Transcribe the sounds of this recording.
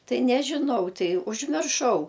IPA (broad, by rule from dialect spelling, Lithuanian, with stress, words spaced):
ˈtɐɪ nʲɛʒʲɪˈnɐʊ ˈtɐɪ ʊʒʲmʲɪrˈʃɐʊ